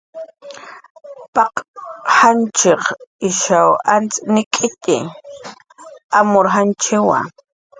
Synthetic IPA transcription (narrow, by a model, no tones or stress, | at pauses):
pɑqhant͡ʃeχɪʃawant͡snɪkʼɪt̪ɪ̰ | amoɾɦant͡ʃɪwa̰